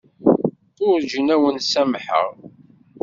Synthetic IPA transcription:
ʊɾd͡ʒənæwənsæmħə̰ʁ

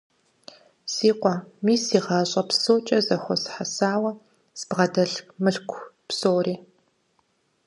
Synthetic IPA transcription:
siːqʷɑmiːsiːʁɑːɕʼɐpsoːt͡ʃʼɐzɐxʷɔsħasaːwɐ | sbʁɐdɐɮmɨɬkʷʰpsoːɾiː

